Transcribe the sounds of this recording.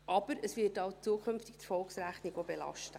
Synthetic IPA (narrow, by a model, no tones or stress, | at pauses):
ʔɑb̥əɾəsʋɪtɑwt͡suəkʰʏmftik̚t̪fɔlksɾæχniɡobelɑ̰ʃtə